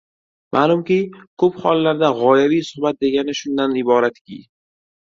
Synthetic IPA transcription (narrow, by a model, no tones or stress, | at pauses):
mʔaːlˠʊmkʲikʰɵphɒlˠːaɾd̪aʁɒjavijsʊhbat̪̚d̪e̞ɡʲanɪʃʊnd̪anɪbɒɾat̪kʲʰḭ